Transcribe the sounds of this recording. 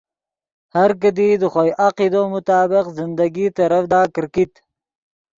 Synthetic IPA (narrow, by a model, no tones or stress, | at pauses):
haɾk̬əd̪id̪əxojʔaqid̪oːmʊt̪ɑːbɪqzɪnd̪aɡit̪aɾafd̪ɑːkɪɾkit̪